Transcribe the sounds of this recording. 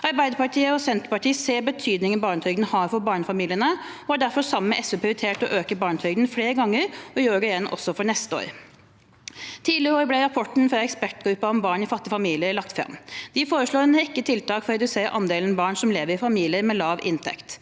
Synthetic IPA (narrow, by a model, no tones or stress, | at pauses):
ɑɾbæɪd̪əpɑʈʰiːəɔsɛnt̪əɾpɑʈʰiːseːbət̪ʰyːd̪nɪŋənbɑːɳət̪ʰœɡd̪n̩hɑːɾfɔɾbɑːɳəfɑmiːlɪənəɔæɖæɾfɔɾsɑmːəʔɛsʉpʰɾɪʊɪt̪ʰeːʈɔʔøːkəbɑːɳt̪ʰœɡd̪n̩fleːɾəɡɑŋːəɾɔjøːɾəjɛnːʔɔ̰sːɔfɔɳɛst̪əo̰ːɾ | t̪ʰiːd̪lɪɾəoːɾəblɛɾɑpʰɔʈɳ̩fɾɑɛkspæʈɡɾʉpːəɔmbɑːɳɪfɑt̪ːɪəfɑmiːlɪəɾlɑk̚t̪fɾɑ̰mːd̪̥ɪfoːɾəʂɭoːɾɛnhɛkːət̪ʰɪlt̪ɑːkfɔɾɛd̪ʉseːʔɑ̰nd̪eːlnɑbɑːɳsɔmleːʋəɾɪfɑmiːlɪəɾmɛlɑːʋɪ̰nt̪ʰɛ̰kt̪